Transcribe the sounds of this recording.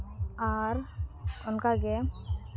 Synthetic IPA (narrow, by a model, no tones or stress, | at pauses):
aɾkɔnkaɡɛ